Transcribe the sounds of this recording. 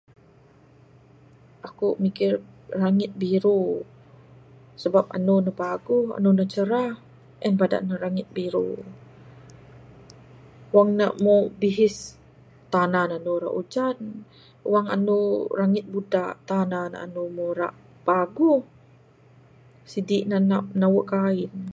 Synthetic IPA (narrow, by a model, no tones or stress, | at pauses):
ʔakumikɪrːaŋɪt̪̚biɾu | səbap̚a̰nunapaɡuɦa̰nunat͡ʃəɾah | ʔɛnpada̰ʔnaɾaŋɪt̪̚biɾṵ | waŋnamobiɦɪs | t̪ananaanuɾa̰ʔud͡ʒan | uwaŋa̰nuraŋɪt̪̚budaʔt̪anana̰a̰numoɾa̰ʔ | paɡuh | sidiʔnananawəʔkaɪn